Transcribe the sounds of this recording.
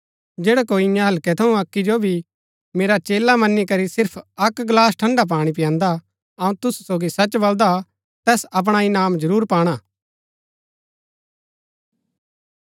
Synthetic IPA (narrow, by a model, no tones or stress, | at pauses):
d͡ʒeːɽɛkoːiɪ̃jãɦɐlkɛt̪ʰɐũɐkːid͡ʒobʱi | meːɾat͡ʃeːlamɐnːikɐɾisɪɾpʰɐkɡlaːsʈʰɐ̃ɳɖap̬aːɽ̃ip̬ɪjãːnd̪a | ɐũt̪ʊsu̥soːɡisɐt͡ʃbɐld̪a | t̪ɛːsɐp̬ɽ̃aɪnaːmd͡ʒɐɾuːɾpaːɽ̃aː